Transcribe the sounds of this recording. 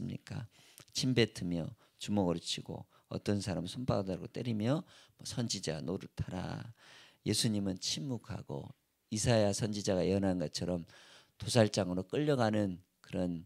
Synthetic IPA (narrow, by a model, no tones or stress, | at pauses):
ɯmɲḭk͈a | t͡ɕʰimbe̞tʰɯmjʌ | t͡ɕumʌɡʌɾut͡ɕʰiɡo̰ | ʌ̰t͈ʌnsʰaɾamsʰumpʰadaɡot͈eɾimjʌmʌsʰʌnd͡ʑid͡ʑa̰noɾɯɭtʰaɾa̰ | je̞sʰuɲimɯnt͡ɕʰimːukʰa̰ɡo̰ | isʰaeasʰʌnd͡ʑid͡ʑaɡaiʌnanɡʌt͡ɕʰʌɾʌmtosʰaɭt͡ɕ͈aŋɯɾok͈ɯʎːʌɡanɯn | kɯɾʌn